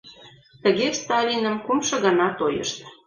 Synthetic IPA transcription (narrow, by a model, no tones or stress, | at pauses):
t̪əɣest̪ɑlʲinə̆mkumʃɤ̆ɣənɑt̪ojə̰ʃt̪